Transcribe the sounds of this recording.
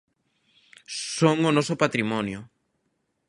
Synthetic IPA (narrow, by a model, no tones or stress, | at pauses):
soŋonɔsopat̪ɾimɔnjʊ